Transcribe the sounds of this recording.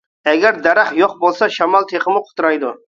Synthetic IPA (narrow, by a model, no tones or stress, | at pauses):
aɡʲaɾd̪aɾaχjɒqbolˠsaʃamalˠt̪ʰe̞χɨmɪqʰʊ̥t̪ɾajd̪ʊ